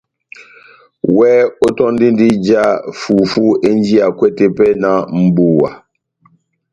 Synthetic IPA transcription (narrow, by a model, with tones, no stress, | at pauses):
wɛ˦o˦tɔ˦n˦di˦n˦di˦d͡ʒa˦fu˨fu˦e˦n˦d͡ʒi˦a˨kwɛ˦te˦pɛ˦na˨m̩˨bu˦˨wa̰˨